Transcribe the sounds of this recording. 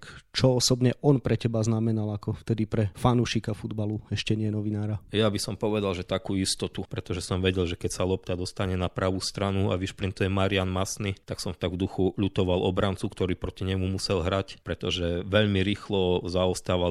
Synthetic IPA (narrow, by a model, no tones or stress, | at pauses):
kt͡ʃɔɔsɔbɲɛʔɔnpɾɛcɛbaznamɛnalakɔft̪ɛd̪ipɾɛfanuʃikafud̪baluɛʃcɛɲɪɛnɔʋinaːɾajabisɔmpɔʋɛd̪alʒɛt̪akuist̪ɔt̪upɾɛt̪ɔʒɛsɔmʋɛɟɛlʒɛkɛcsalɔp̚t̪ad̪ɔst̪aɲɛnapɾaʋust̪ɾanua̰ʋiʃpɾint̪ujɛmaɾianmasnit̪aksɔmft̪aɡvd̪uxuʎut̪ɔʋalɔbɾant͡sukt̪ɔɾiːpɾɔciɲɛmumusɛlɦɾacpɾɛt̪ɔʒɛʋɛʎmiɾiːxlɔzaɔst̪aːʋa